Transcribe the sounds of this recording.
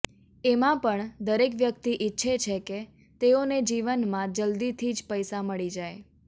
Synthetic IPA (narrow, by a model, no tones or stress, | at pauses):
emãpəɳd̪əɾekʋjəkt̪iʔitːʃʰet͡ʃʰeke | t̪eoned͡ʒiʋənmãd͡ʒəld̪it̪ʰid͡ʒpəjsaməɭid͡ʒaj